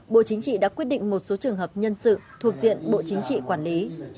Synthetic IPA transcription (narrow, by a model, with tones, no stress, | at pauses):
ɓo̰˧˨t͡ɕï˨˦ŋ̟t͡ɕḭ˧˨ɗa̰ː˧˥kwi˦˥ət̚ɗḭ˧˨ŋ̟mo˨˩t̚so˨˦t͡ɕɨ˨˩əŋɦəː˨˩p̚ɲə˧nsɨ̰˧˨t̪ʰu˨˩ək̚zḭ˧˨ənɓo̰˧˨t͡ɕï˨˦ŋ̟t͡ɕḭ˧˨kwaː˧˩nli˨˦